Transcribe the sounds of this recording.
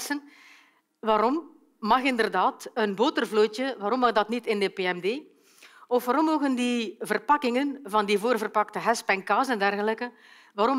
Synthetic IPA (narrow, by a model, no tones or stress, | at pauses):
sən | ʋaːɾɔm | mɑxɪndərdaːtənboːtərvloːtəʋaːɾɔmːɑxdɑtnitɪndəpeːɛmdeː | ɔfʋaːɾɔmːoːɣəndivərpɑkɪŋənvɑndivoːrvərpɑktəɦɛspɛŋkaːzɛndɛrɣələkə | ʋaːɾɔm